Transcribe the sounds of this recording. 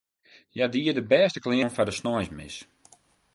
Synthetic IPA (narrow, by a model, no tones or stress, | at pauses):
jadiədəbɛːstə̥klɪənfadəsnɔjsmɪ̰s